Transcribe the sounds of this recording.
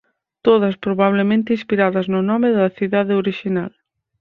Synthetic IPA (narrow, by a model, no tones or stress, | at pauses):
t̪oð̞ɐspɾoβaβlemẽnt̪ɪinspiɾaðɐznʊnɔmɪðɐθiðaðeoɾiʃinal